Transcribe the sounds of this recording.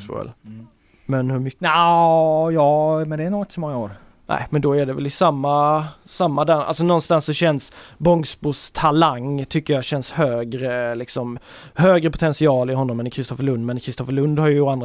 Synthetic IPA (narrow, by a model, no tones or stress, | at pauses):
sbʊ̰ɛ̰l | mɛnhɵɾma | jɑːmɛnd̪ɛːnuɡɪt̪əsɔmɔŋːaoːɾ | næ̰ɪmɛnd̪ɔæɖɛvɛ̰lɪsamːasamːad̪ɛnʔa̰ls̬ɔnɔnst̪ansːɔɕɛnsbɔŋsbʊʂt̪ʰalaŋːt̪ʰʏkːəjaɕɛnshøːɡɾəlɪksɔm | høːɡɾəpʰʊ̥t̪ʰɛnsɪɑːlɪɦɔnːɔmːɛnkʰɾɪst̪ɔfəɭɵnd̪mɛnkʰɾɪst̪ɔfəɭɵnd̪haɾjand̪ɾ